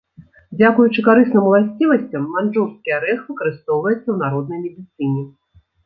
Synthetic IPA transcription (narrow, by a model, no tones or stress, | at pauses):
d͡zʲakujut͡ʂɨkaɾɨsnɨmwlˠasʲt͡sʲivɐsʲt͡sʲɐmːanʐurskʲijɐɾɛxvɨkɐɾɨst̪ɔwvɐjɛt̪sːɐwnaɾɔd̪̚nɐjmʲɛd̪ʲɨt̪sɨnʲɛ